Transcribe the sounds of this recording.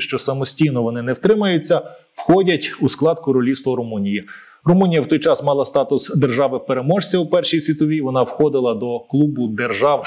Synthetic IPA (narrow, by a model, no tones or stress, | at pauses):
ʃt͡ʃɔsɐmɔsʲtʲijnɔʋɔnɪnɛwt̪ɾɪmɐjʊt͡sʲːɐ | wxɔdʲɐtʲusklˠɑd̪̚kʊɾɔlʲist̪ʋɔɾʊmunʲiji | rɔmunʲijɐwt̪ɔjt͡ʃɑsmɑlˠɐst̪ɑt̪ʊsd̪erʒɑʋɪpeɾemɔʒsʲɐʊpɛrʃijsʲʋʲit̪ɔʋʲiʋɔnɑwxɔd̪ɪlˠɐd̪ɔklˠubʊd̪erʒɑw